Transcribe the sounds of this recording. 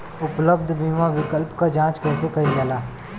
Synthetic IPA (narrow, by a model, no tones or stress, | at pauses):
ʊpləb̚d̪ʱbiːmaʋɪkəlpkad͡ʒãːt͡ʃkɛːsekɐĩd̪aːlaː